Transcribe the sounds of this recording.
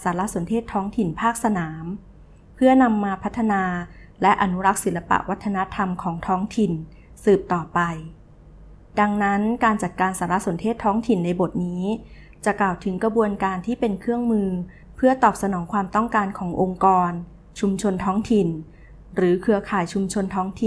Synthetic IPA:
saː˩˦la˦˥so˩˦ntʰeː˥˩t̪ʰːɔː˦˥ŋt̪ʰi˨˩npʰaː˥˩k̚sa˧naː˩˦m | pʰɯ˥˩ɐna˧mːaː˧pʰa˦˥t̪ʰːa˧naː˧ | lɛ˦˥ʔa˧nu˦˥ɾa˦˥k̚si˩˦la˧pa̰˨˩ʔwʔa˦˥t̪ʰːa˧na˦˥t̪ʰa˧mkʰɔː˩˦ŋt̪ʰɔː˦˥ŋt̪ʰi˨˩n | sɯː˨˩p̚t̪ɔː˨˩pa˧j | da˧ŋna˦˥nkaː˧nt͡ɕa˨˩t̪̚kaː˧nsaː˩˦ɾa˦˥ʔso˩˦nt̪ʰeː˥˩t̪ʰːɔː˦˥ŋt̪ʰi˨˩nːa˧jbo˨˩t̪̚niː˦˥ | t͡ɕa˨˩klaː˨˩wt̪ʰɯ˩˦ŋkɾa˧bu˧ənkaː˧nt̪ʰiː˥˩pe˧nkʰɯ˥˩əŋmɯː˧ | pʰɯ˥˩ɐt̪ɔː˨˩p̚sa˧nɔː˩˦ŋkʰwaː˧mt̪ɔ˥˩ŋkaː˧nkʰɔː˩˦ŋʔo˧ŋkɔː˧n | t͡ɕʰu˧mt͡ɕʰo˧nt̪ʰɔː˦˥ŋt̪ʰi˨˩n | ɾɯː˩˦kʰɯ˧ɐkʰaː˨˩jt͡ɕʰu˧mt͡ɕʰo˧nt̪ʰɔː˦˥ŋt̪ʰi˨˩

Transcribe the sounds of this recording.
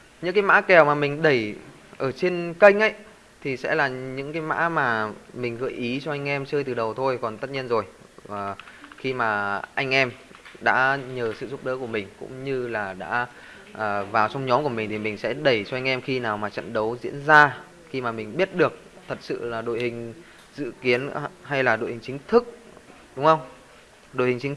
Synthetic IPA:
ɲɨ̰˧˥ŋkaː˨˦jma̰ː˧˥kɛ˨˩wmaː˨˩mï˨˩ŋ̟ɗə˧˩j | ʔəː˧˩t͡ɕe˧nkə˧jŋ̟ʔə˧˥˦j | t̪ʰi˨˩sɛ̰˧˥laː˨˩ɲɨ̰˧˥ŋkaː˨˦jma̰ː˧˥maː˨˩mï˨˩ŋ̟ɣəː˧˩jʔi˨˦t͡ɕɔ˧ʔa˧jŋ̟ʔɛ˧mt͡ɕəː˧jt̪ɨ˨˩ɗə˨˩wt̪ʰo˧jkɔ˨˩nt̪ə˦˥t̚ɲi˧ənzo˨˩j | vːxi˧maː˨˩ʔa˧jŋ̟ʔɛ˧mɗa̰ː˧˥ɲəː˨˩sɨ̰˧˨zu˦˥p̚ɗəː˨˦ku˧˩əmï˨˩ŋ̟kʊ̰˧˥ŋ͡mɲɨ˧laː˨˩ɗa̰ː˧˥ | ʔəː˨˩vaː˨˩wt͡ɕɔ˧wŋ͡mɲɔ˨˦mku˧˩əmï˨˩ŋ̟t̪ʰi˨˩mï˨˩ŋ̟sɛ̰˧˥ɗə˧˩jt͡ɕɔ˧ʔa˧jŋ̟ʔɛ˧mxi˧naː˨˩wmaː˨˩t͡ɕə̰˧˨nɗə˨˦wzḭ˧˥ənzaː˧ | xi˧maː˨˩mï˨˩ŋ̟ɓi˦˥t̚ɗɨ˨˩ək̚t̪ʰə˨˩t̚sɨ̰˧˨laː˨˩ɗo̰˧˨jhï˨˩ŋ̟ | z̥ɨ̰˧˨ki˨˦ənɦa˧jlaː˨˩ɗo̰˧˨jhï˨˩ŋ̟t͡ɕï˨˦ŋ̟t̪ʰɨ˦˥k̚ | ɗʊ˨˦ŋ͡mxə˧wŋ͡m | ɗo̰˧˨jhï˨˩ŋ̟t͡ɕi˨˦

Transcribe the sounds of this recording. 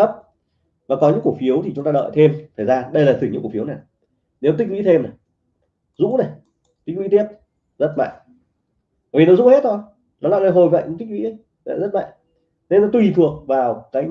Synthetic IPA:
ə˦˥p̚ | vaː˨˩kɔ˨˦ɲɨ̰˧˥ku˧˩ək̚fi˨˦əwt̪ʰi˨˩t͡ɕʊ˨˦ŋ͡mt̪aː˧ɗə̰ː˧˨jt̪ʰe˧mt̪ʰəː˨˩jzaː˧ɗə˧jlaː˨˩ɨ˨˩ɲɨ̰˧˥ku˧˩fi˨˦wna˨˩j | ne˨˦wt̪i̟˦˥wḭ˧˥t̪ʰe˧mna˨˩ | zṵ˧˥na˨˩j | t̪i˦˥k̚wḭ˧˥t̪i˦˥ət̚ | zə˦˥t̚ma̰ː˧˨ŋ˨˩ | vi˨nɔ˨˦zṵ˧˥he˦˥t̚t̪ʰo˧j | nɔ˨˦la̰ː˧˨lə˧jɦo˨˩jva̰˧˨ʔu˧˦t̪i˦˥k̚wḭ˧˥ə˧˦j | la̰ː˧˨zə˦˥t̚ma̰ː˧˨j | nə˧nɔ˨˦t̪wi˨˩t̪ʰɨ˨˩əŋvaː˨˩wkaː˨˦j

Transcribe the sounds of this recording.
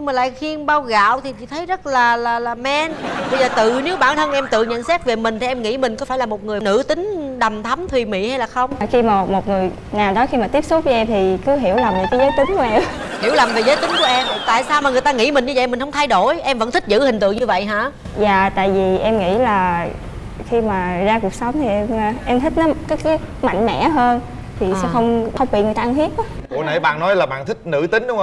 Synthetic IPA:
ɲɨ˧ŋmaː˨˩la̰ː˧˨jxi˧ənɓaː˧wɣa̰ː˧˨wt̪ʰi˨˩t͡ɕḭ˧˥t̪ʰə˨˦jzə˦˥t̚laː˨˩laː˨˩laː˨˩mɛ˧nɓə˧jzəː˨˩t̪ɨ˨˩ne˨˦wɓaː˧˩nt̪ʰə˧nkɛ˧mt̪ɨ̰˧˨ŋɲə̰˧˨nsɛ˦˥t̚ve˨˩mï̟˨˩t̪i˨˩ʔɛ˧mŋḭ˧˥mi˨˩ŋ̟kɔ˨˦faː˧˩jlaː˨˩mo˨˩t̚ŋɨ˨˩ənɨ̰˧˥t̪ï˨˦ŋ̟ɗa˨˩mt̪ʰa˨˦mt̪ʰwi˨˩mḭ˧˨ha˧jlaː˨˩xə˧wŋ͡mxi˧maː˨˩mo˨t̚ŋɨ˨˩əj | naː˨˩wɗɔ˨˦xi˧maː˨˩t̪i˦˥əp̚so˦˥t̚vəː˨˦jʔɛ˧mt̪ʰi˨˩kɨ˨˦ɦi˧˩əwla˨˩mve˨˩kaː˨˦jzə˨˦jt̪ï˨˦ŋ̟ku˨˩˦əʔɛ˧m | hi˧˩əwla˨˩mve˨˩zəː˨˦jt̪ï˨˦ŋ̟ku˧˩əʔɛ˧mt̪a̰ː˧˨jsaː˧wmaː˨˩ŋɨ˨˩əjt̪aː˧ŋḭ˧˥mï̟˨˩ɲɨ˧zə̰˧˨jmï˨˩ŋ̟hə˧ŋ͡mt̪ʰa˧jɗo˧˩jʔɛ˧mvə̰˧˥nt̪ʰï˦˥k̟̚zɨ̰˧˥hï̟˨˩t̪ɨ̰˧˨əɲɨ˧və̰˧˨jɦa̰ː˧˥ | zaː˨t̪a̰ː˧˨jvi˨˩ʔɛ˧mŋḭ˧˥laː˨˩ | xi˧maː˨˩zaː˧ku˨˩ək̚sə˨˦wŋ͡mt̪ʰi˨˩ʔɛ˧m˨ʔɛ˧mt̪ʰi˦˥k̟̚nɔ˨˦kaː˨˦jkaː˨˦jma̰˧˨jŋ̟mɛ̰˧˥ɦəː˧n | t̪ʰi˨˩sɛ̰˧˦˥xə˧wŋ͡mə˧ŋ͡mɓḭ˧˨ŋ˨˩jt̪aː˧nt̪hi˦˥ət̚ːkṵ˨˧˨na̰˧˩jɓa̰ː˧˨nːɔ˨˦jlaː˨˩ɓa̰ː˧˨nt̪ʰï˦˥k̚nɨ̰˧˥t̪ï˨˦ŋ̟ɗʊ˦ŋ͡m

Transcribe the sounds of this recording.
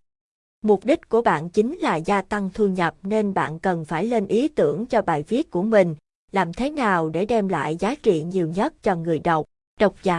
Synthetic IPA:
mʊ˨˩k͡p̚ɗi˦˥k̟̚ku˧˩əɓa̰ː˧˨nt͡ɕï˨˦ŋ̟laː˨˩zaː˧t̪a˧ŋt̪ʰu˧ɲə˨˩p̚ne˧nɓa̰ː˧˨nkə˨˩nfaː˧˩jle˧nʔi˨˦t̪ɨ˧˩əŋt͡ɕɔ˧ɓa̰ː˧˨jvi˦˥ət̚ku˧˩əmï˨˩ŋ̟ | laː˨˩mt̪ʰe˨˦naː˨˩wɗe˧˩ɗɛ˧mla̰ː˧˨jzaː˨˦t͡ɕḭ˧˨ɲi˨˩əwɲə˦˥t̚t͡ɕɔ˧ŋɨ˨˩əjɗə˨˩wk͡p̚ | ɗə˨˩wk͡p̚zaː˨˦

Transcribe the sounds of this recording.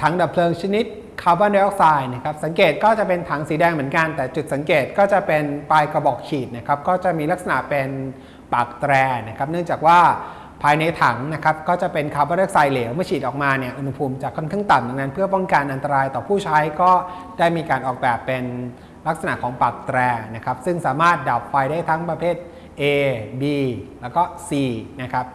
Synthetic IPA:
t̪ʰa˩˦ŋda˨˩pʰlɤː˧ŋt͡ɕʰa˧ni˦˥t̪̚ | kʰaː˧wbaː˥˩nda˧ʔɔ˦˥k̚saː˧jna˦˥kʰa˦˥p̚sa˩˦ŋkeː˨˩t̪̚kɔː˥˩t͡ɕa˨˩pe˧nt̪ʰa˩˦ŋsiː˩˦dɛː˧ŋmɯ˩˦ənka˧nt̪ɛː˨˩t͡ɕu˨˩t̪̚sa˩˦ŋkeː˨˩t̪̚kɔː˥˩t͡ɕa˨˩pe˧npaː˧jka˧bɔ˨˩k̚kʰiː˨˩t̪̚na˦˥˩kʰa˦˥p̚kɔː˥˩t͡ɕa˨˩miː˧la˦˥k̚sa˧na̰˨˩ʔpe˧n | paː˨˩k̚t̪ɾɛː˧na˦˥kʰa˦˥p̚nɯ˥˩ŋt͡ɕaː˨˩k̚waː˥˩ | pʰaː˧jna˧jt̪ʰa˩˦ŋna˦˥kʰa˦˥p̚kɔː˥˩t͡ɕa˨˩pe˧nkʰa˧˩baː˧˥ɾɯ˥˩k̚saː˧jleː˩˦wmɯ˥˩əkʰiː˨˩t̪̚ʔɔː˨˩k̚maː˧ni˥˩ɐʔu˧na˦˥pʰu˧mt͡ɕa˨˩kʰːɔ˥˩nkʰaː˥˩ŋt̪a˨˩mda˨˧ŋna˦˥npʰɯ˥˩ɐpɔ˥˩ŋka˧nʔa˧nt̪a˧ɾaː˧jt̪ɔː˨˩pʰuː˥˩t͡ɕʰa˦˥jkɔː˥˩ | daː˥˩jmiː˧kaː˧nʔɔː˨˩k̚bɛː˨˩pːe˧n | la˦˥k̚sa˧na˨˩ʔkʰɔː˩˦ŋpa˨˩k̚t̪ɾɛː˧na˦˥kʰa˦˥p̚sɯ˥˩ŋsaː˩˦maː˥˩t̪̚da˨˩p̚fa˧jdaː˥˩jt̪ʰa˦˥ŋpɾa˧pʰeː˥˩t̪̚ | ʔeː˧biː˧lɛː˦˥wkɔː˥˩siː˧na˦˥kʰa˦˥p̚

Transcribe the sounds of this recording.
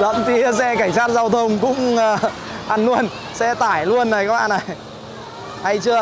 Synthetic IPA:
zə̰˧˨mt̪i˨˧˩sɛ˧ka˧˩jŋ̟saː˦˥t̚zaː˧wt̪ʰə˧wŋ͡mkʊ̰˧˥ŋ͡m | ʔa˧˩nːu˧ən | sɛ̰˧˥t̪aː˧˩jlu˧ənːa˨˩kaː˦˥kɓa̰ː˧˨na˨˩j | ha˧jt͡ɕɨ˧ə

